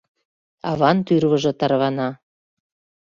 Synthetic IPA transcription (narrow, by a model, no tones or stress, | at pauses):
ɑβɑnt̪yrβə̆ʒɤ̆t̪ɑrβɑnɑ